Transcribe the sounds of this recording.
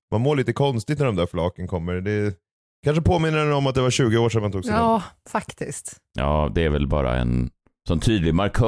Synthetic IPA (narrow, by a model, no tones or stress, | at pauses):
mʔanmoːɭiːt̪əkʰɔnst̪ɪɡt̪næɖɔmd̪æɾflɑːkənkʰɔmːəɾd̪ɛ | kʰanʂəpʰoːmɪnːəɾɛnɔmat̪̚d̪ɛvaɾɕʉ̟ːɡəoːʂɛnmant̪uːɡsːfakt̪ɪst̪ | jɑ̰ːd̪ɛæɾvɛlbɑ̰ːɾa̰ɛ̰n | sɔnt̪ʰyːd̪lɪɡmaɾkʰ